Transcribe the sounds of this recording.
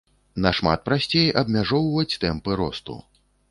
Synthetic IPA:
nɐʂma̰t̪̚pɾasʲt͡sʲejɐbmʲaʐɔwvɐt͡sʲt̪ɛmpɨɾɔ̰st̪ṵ

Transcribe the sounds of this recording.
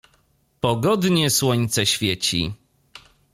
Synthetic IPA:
pɔɡɔd̪ɲɛswɔɲt̪sɛɕfʲjɛt͡ɕḭ

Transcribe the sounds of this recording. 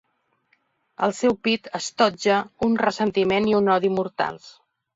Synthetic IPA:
ə̰lˠsɛwpit̪əst̪ɔd͡ʒəunrəsənt̪imeniunɔðimuɾt̪a̰lˠs

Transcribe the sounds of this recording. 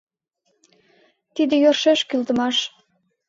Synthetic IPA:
t̪id̪ĕjørʃeʃkylt̪ə̆mɑʃ

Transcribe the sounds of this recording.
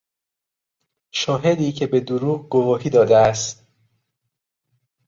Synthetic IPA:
ʃɒːɦe̞d̪iːcʰe̞be̞d̪oɾuːɣɡovɒːɦiːd̪ɒːd̪eæst̪

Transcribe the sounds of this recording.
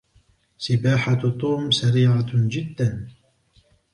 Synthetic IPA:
sɪbaːħat̪ˤːuːmsaɾiːʕad͡ʒɪd̪ːan

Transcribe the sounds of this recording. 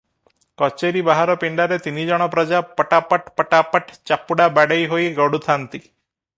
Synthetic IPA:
kɔt͡ʃeɾibaɦaɾɔpiɳɖaɾet̪inid͡ʒɔɽ̃ɔpɾɔd͡ʒapəʈapəʈpəʈapəʈʰt͡ʃapːuɽabaɽejɦojɡɔɽut̪ʰant̪i

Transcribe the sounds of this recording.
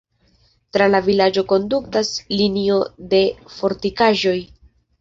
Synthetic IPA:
tɾalavilad͡ʒo̞ko̞nduktaslinio̞de̞fo̞ɾtikaʒo̞j

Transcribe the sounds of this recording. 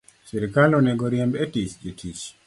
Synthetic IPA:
sɛɾikalonɛɡɔɾjɛmbɛtit͡ʃitʰit͡ʃ

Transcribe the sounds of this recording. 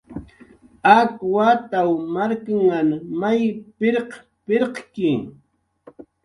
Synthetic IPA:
akwat̪awmaɾkaŋːanmajpɪɾq | pɪɾqkɪ

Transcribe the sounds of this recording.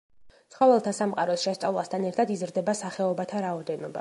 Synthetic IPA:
sχɔvɛlˠt̪ʰasamqʼaɾɔsʃɛst̪sʼa̰vlˠast̪ʰanɛɾt̪ʰad̪izɾd̪ɛbasaχɛɔbat̪ʰaɾaɔd̪ɛnɔba̰

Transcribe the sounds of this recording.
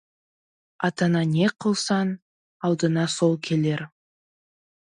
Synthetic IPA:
ɑt̪ɑnɑnʲeqʰəlˠsɑn | ɑlˠd̪ənɑsolˠkʲʰe̞le̞ɾ

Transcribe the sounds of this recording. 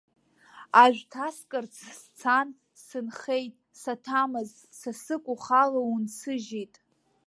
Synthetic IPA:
aʒᶣʷtʰaskʼɨrt͡sʰst͡sʰan | sɨnχejtʼsatʰamɨz | sasɨkʷʼʊχalaunsʰɨʒijtʼ

